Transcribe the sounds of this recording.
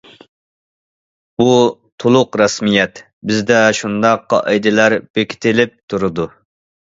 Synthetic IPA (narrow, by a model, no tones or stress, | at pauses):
but̪ʰolˠʊqɾɑsmijɛt̪ | bɪzd̪ɛʃund̪ɑqːɑ̰ʔɛjd̪ɪlæɾb̥ekʲʰi̥t̪ʰɪlɪp̚t̪ʰuɾɨd̪u